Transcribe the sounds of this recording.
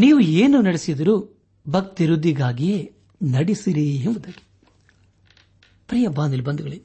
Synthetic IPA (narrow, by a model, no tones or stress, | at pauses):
niːʋueːnunɐɽesid̪ɐɾu | bɐk̚t̪iɾud̪ːiɡaːɡije | nɐɽisiɾienʋud̪aɡe̥ | pɾijɐbaːnd̪ilibɐnd̪uɡɐɭi